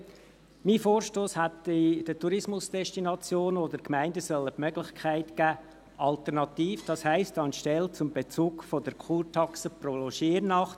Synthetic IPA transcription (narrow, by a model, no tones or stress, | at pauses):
miːfoːɾʃtoːshætid̥ətuɾɪsmʊsd̥ɛʃtinɑt͡sjoːnodəɾkmæɪndəsœlːəpmœɡ̥lɪχkʰæɪtɡ̥æː | ʔɑltəɾnɑt̪iːfd̥ɑshæɪstɑnʃtɛlt͡sʊmbet͡suːɡfodəɾkχuːɾtʰɑksəprolɔʃiːɾnɑχt